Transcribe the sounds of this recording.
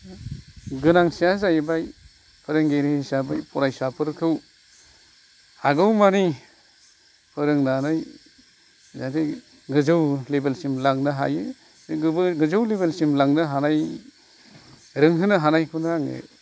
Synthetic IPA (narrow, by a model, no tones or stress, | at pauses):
ɡɯnaŋsiazajbaj | pʰɯɾɯŋɡeɾɯhisabajpɔɾajsapʰɯɾkʰɯw | haɡɯwmani | pʰɯɾɯŋnanɯj | zade | ɡɯzɯwlebelsimlaŋnɯɦa̰jɯ | ɡɯzɯwlebelsimlaŋnɯɦanaj | ɾɯŋɦɯnɯɦanajkʰunɾaŋɯ̰